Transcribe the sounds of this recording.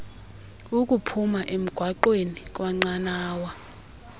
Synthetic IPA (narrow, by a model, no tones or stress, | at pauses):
uk̬ʼupʰumaʔem̩ɡ̥ʱwaǃwenik̬ʼwaŋ͡ǀanaːwa